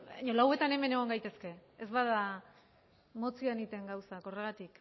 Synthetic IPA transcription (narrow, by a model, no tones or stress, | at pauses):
baɲo̞lawe̞t̪ane̞me̞ne̞ɣ̞o̞ŋɡajt̪e̞ske̞ezβaða | mo̞t͡sianit̪e̞ŋɡawsako̞re̞ɣ̞at̪ik